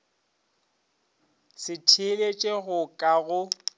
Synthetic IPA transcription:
sɪtʰɪlet͡ʃʼeɣʊkʼaɣʊ

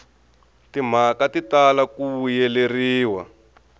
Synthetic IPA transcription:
tim̤akatitalakuujɛleriːwa̰

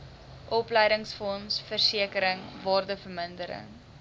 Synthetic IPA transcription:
ʔɔpləjdəŋsfɔnsfərsiəkəɾəŋvɑːrdəfərməndəɾə̰ŋ

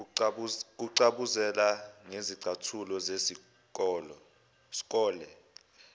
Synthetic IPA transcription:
k̬uǀaɓuzɛlaŋeziǀʱatʰulɔzesi | k̬ɔːlɔ | si̥k̬ʼɔːlɛ

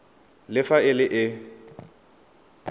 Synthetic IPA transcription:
lɪfaɪlɪʔɪ

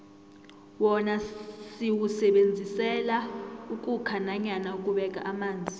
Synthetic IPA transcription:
wɔnasiwusɛɓend͡zʱisɛlaukʼukʰanaɲanaukʼuɓɛkʼa̰ʔamaːnd͡zʱi

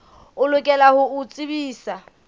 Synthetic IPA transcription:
ʊlʊkʼɛlahʊʊt͡sʼibiːsa

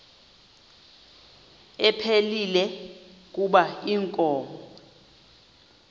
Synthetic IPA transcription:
ɛpʰelilɛk̬ʼuɓaiŋkʼɔːmɔɔɔ

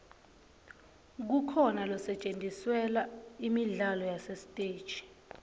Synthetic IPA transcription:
k̬ukʰɔnalɔsɛt͡ʃʼendʱʼiswɛlaimiɮalɔjasɛstʼeːd̥ʒ̥ʱʼi̥

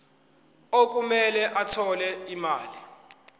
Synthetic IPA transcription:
ok̬umɛlɛʔatʰɔlɛimaːli

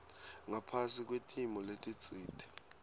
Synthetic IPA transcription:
ŋapʰasik̬ʼwetʼʰimɔletʼit͡sʼiːtʰʼɛ̥

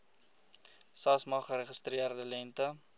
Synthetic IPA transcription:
sɑːsmɑːχəɾəχəstriərdəlɛntə

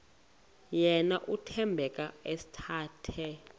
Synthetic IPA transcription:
jɛnaʔutʰɛmbʱɛk̬ʼaesi̥tʰaːtʰɛ

